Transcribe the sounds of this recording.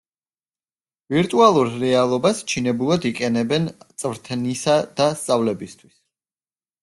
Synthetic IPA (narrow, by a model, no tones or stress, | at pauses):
viɾt̪ʼualˠuɾɾɛalˠɔbast͡ʃʰinɛbulˠad̪iqʼɛnɛbɛnt̪sʼvɾt̪ʰnisad̪̥ast̪sʼavlɛbist̪ʰwis